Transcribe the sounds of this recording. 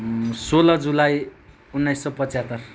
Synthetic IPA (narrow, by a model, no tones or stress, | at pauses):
solʌd͡zulaj | unːajssʌpʌt͡sjat̪ʌr